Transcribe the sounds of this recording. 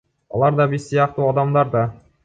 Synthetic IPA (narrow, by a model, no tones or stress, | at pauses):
ɑ̰lˠɑɾd̪ɑbisːijɑqt̪uɑd̪ɑmd̪ɑɾd̪ɑ